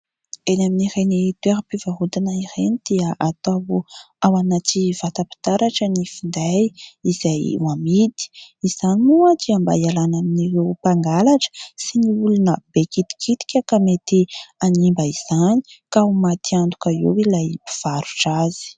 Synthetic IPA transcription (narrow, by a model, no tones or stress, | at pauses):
enaminirenit̪ueɾapivaɦud̪inaiɾenid̪̥iaʔat̪aw | awanativat̪api̥t̪aɾaʈ͡ʂənifind̪ajiz̥ajwamid̪i̥iz̥animuəd̪iamba̰jalanaminirewpaŋɡalaʈ͡ʂə̥siniulunəbekit̪i̥kʰit̪i̥kʲakamet̪ianimbaiz̥ani̥kaumat̪iand̪ukaḛwilajpi̥v̥aɾu̥ʈ͡ʂazi̥